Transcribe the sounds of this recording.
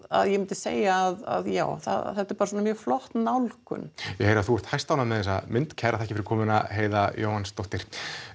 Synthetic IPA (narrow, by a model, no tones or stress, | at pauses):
a̰ðjɛmɪnt̪ɪ̥sḛːjaːða̰ðja̰ːwθa̰ðθɛht̪ɪɾpaɾsɔːnamjœːɣflɔht̪nawlkʏ̰njɛheːjɾaθuɛɾ̥t̪hajst̪awnamɛðɛsaðmɪnt̪cʰɛɾaθɛhcɪfɪɾkʰɔːmɪnaɦeːjðajo̰ːwhanst̪oht̪ɪɾ̥